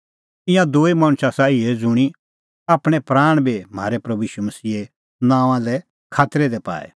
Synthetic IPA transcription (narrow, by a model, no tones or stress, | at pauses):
ɪ̃jãd̪oːimãːɽ̃ʊsasaːied͡zʊɽ̃i | aːpɽ̃ɛpɾaːɽ̃bʱim̤aːɾɛpɾɐbuiːʃumɐsiːe | nãːʋ̃ãlɛ | kʰaːt̪ɾɛd̪ɛpa̰ːɛ̰